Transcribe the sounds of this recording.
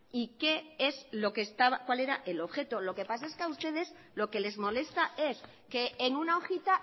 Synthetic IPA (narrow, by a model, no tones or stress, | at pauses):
ike̞eslo̞ke̞ːst̪aβakwale̞ɾaʔe̞lo̞βxe̞t̪o̞lo̞ke̞pas̬ae̞skeaust̪e̞ð̞e̞s | lo̞ke̞le̞zmo̞le̞st̪ae̞s | ke̞ːŋunaoxit̪a